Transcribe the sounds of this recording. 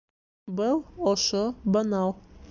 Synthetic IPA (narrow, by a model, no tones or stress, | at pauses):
bɤlˠoʃobɑnɑw̪ˠ